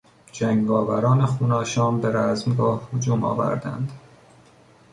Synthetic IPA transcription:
d͡ʒæŋɡɡɒːvæɾɒːnexuːnɒːʃɒːmbeɾæzmɡɒːhhod͡ʒuːmɒ̰ːvæ̰ɾd̪æ̰nd̪̥

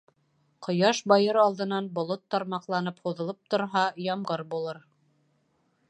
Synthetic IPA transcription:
qŏjɑʃbɑjɤɾɑlˠd̪ɤ̆nɑnbŏlˠot̪ːɑɾmɑqlˠɑnɤphuðɤ̆lˠɤp̚t̪ŏɾɦɑjɑmʁɤɾbulˠɤɾ

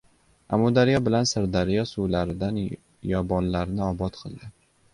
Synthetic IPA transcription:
a̰mːud̪aɾijɒbɪlansɪɾd̪aɾijɒsulaɾɪd̪an | jɒbɒnlaɾɪnɪɒbɒt̪qʰɨlˠd̪ɪ

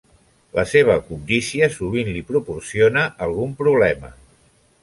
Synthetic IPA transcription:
ləseβ̞əkund̪isiəsuβ̞inlipɾupursionəʔːlˠɣumpɾuβlɛmə̰

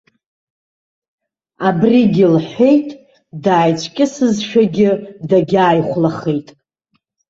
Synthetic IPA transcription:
abriɡʲɪlħʷe̞jtʼ | daːjt͡ʃʷʰkʲʼɪsɨzʃᶣaɡʲɪdaɡʲaːjχʷlaχejtʼ

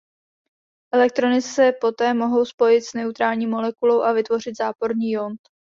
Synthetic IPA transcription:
ʔɛlɛk̚t̪ɾo̞nɪsɛpo̞t̪ɛːmo̞ɦo̞wspo̞jɪt̪snɛut̪ɾaːlɲiːmo̞lɛkulo̞wʔavɪt̪vo̞r̝ɪt̪zaːpo̞ɾɲiːjont̪

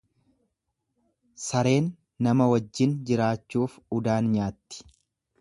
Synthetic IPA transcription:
sɐɾe̞ːnː | ɐmɐwɐd͡ʒːɪnd͡ʒɪɾaːt͡ʃːuːfʊd̪aːnɲaːt̪ːɪ̥

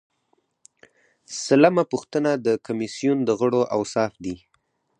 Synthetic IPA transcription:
salamapuxt̪ənad̪əkamisijund̪əɣəɽoʔawsɑfd̪i

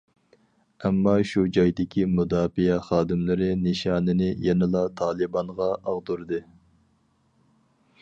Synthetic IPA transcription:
ɛmːɑʃud͡ʒɑjd̪ɪkʲʰimud̪ɑːfijɛχɑːd̪ɨmlɪɾɪnɨʃɑːnɨnɪjɛnɪlˠɑt̪ʰɑːlˠɨbɑnʁɑʔɑʁd̪uɾd̪ɨ

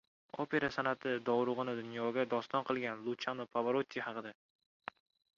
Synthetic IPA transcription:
opʰe̞ɾasanat̪ʰɪd̪ɒwɾʊʁɨnɪd̪ʊnjɒɡʲad̪ɒst̪ɒnqʰɨlˠɡʲanlˠʊt͡ʃʰanopʰavaɾot̪ʲʰːihɑqɨd̪a

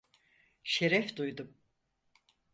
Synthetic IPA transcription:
ʃeɾɛfd̪ujd̪um

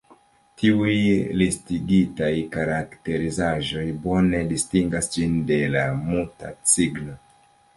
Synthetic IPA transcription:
tiujlistiɡitajkaɾakte̞ɾizaʒo̞jbo̞ne̞distiŋɡasd͡ʒinde̞lamuta̰t͡siɡno̞

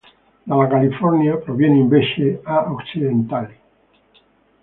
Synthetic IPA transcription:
d̪alakalifoɾnjapɾoβjeneembeʃeaoksiðẽnt̪ali

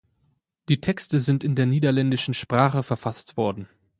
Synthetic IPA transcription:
d̥iːtʰɛkstəzɪntɪndeːɐniːdɐlɛndɪʃn̩ʃpʁ̥aːχəfɛɐfastv̥ɔɐdn̩

